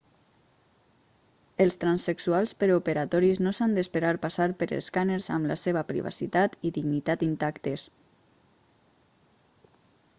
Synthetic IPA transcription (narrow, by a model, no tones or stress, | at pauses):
əlˠst̪ɾansəksualˠspəɾupəɾat̪ɔɾiznosand̪espəɾaɾpasaɾpəɾə̰lˠskaneɾza̰mlaseβ̞əpɾḭβa̰sḭt̪at̪iðiɡnit̪at̪̚d̪int̪akt̪es